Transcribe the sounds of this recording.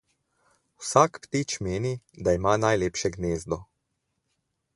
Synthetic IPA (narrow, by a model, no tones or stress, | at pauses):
wsaːkpt̪it͡ʃmeːnid̪aimaːnajleːpʃɛɡneːzd̪ɔ